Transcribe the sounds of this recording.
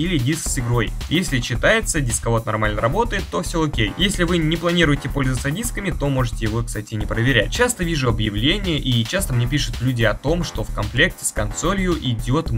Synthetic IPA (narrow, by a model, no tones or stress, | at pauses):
ilʲɪdʲisksɨɡɾo̞jjesʲlʲɪt͡ɕːɪt̪ajɪt̪sədʲiskɐvo̞t̪nɐrmalʲnəɾɐbo̞t̪əjɪt̪ːo̞fsʲookʲejjesʲlʲɪvɨnʲɪplˠɐnʲiɾʊjɪtʲɪpo̞lʲzəʋət̪sədʲiskəmʲɪt̪o̞mo̞ʐɨtʲɪjɪvo̞kst̪atʲɪnʲɪpɾəvʲɪɾʲæ̰t̚ʲt͡ɕast̪əvʲiʐʊɐbjɪvlʲenʲɪjəʔit͡ɕast̪əmnʲepʲiʂʊ̥t̪vlʲudʲɪɐt̪o̞mʂt̪o̞fkɐnplʲe̞ktʲɪ̥skɐnso̞lʲjʊʔɪdʲo̞t̪